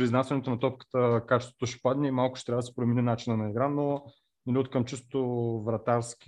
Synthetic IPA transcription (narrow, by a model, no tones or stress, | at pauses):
pɾiznasʲɛɐnɛt̪onɐt̪ɔpkə̥t̪əkat͡ʃɛ̥st̪vŏ̥t̪oʃɛ̥pad̪nɛimalˠkʊ̥ʃɛ̥t̪ɾʲavəd̪sɛ̥pɾominɛnat͡ʃinənɐiɡɾano | nɛlʲiut̪kəmt͡ʃist̪ot̪ovɾɐt̪aɾskʲ